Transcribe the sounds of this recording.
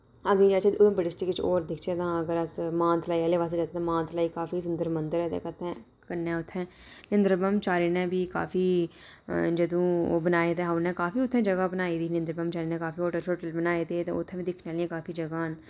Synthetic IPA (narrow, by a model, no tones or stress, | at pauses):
əɡiːd͡ʒaːt͡ʃeõːbəɖɪsʈikt͡ʃo̰ːɾd̪ɪkʰt͡ʃeːt̪ãːəɡəɾəsmãːnt̪ʰlaːiɛleːʋaːs̬ed͡ʒaːt̪eːt̪ãːmãːnt̪ʰlaːiːkaːfiːs̬ʊnd̪əɾmənd̪əɾɛːd̪ḛːkət̪ʰːɛ̃ː | kənːɛ̃ːʊt̪ʰːɛ̃ː | nɪnd̪ɾbəmt͡ʃaːɾiːnɛ̃ːbiːka̰ːfiː | d͡ʒəd̪õːo̰ːbənaːeːd̪eːɦanɛ̃ːkaːfiːʊt̪ʰːɛ̃ːd͡ʒəɡaːbənaːiːd̪iːnɪ̃nd̪ɾəbəmt͡ʃaːɾiːnɛ̃ːkaːfiːoːʈəɾsoːʈəlbənaːeːd̪eːt̪ã̰ːʊt̪ʰːɛ̃ːʋiːd̪ɪkʰnaːliẽkaːfʰiːd͡ʒəɡaːn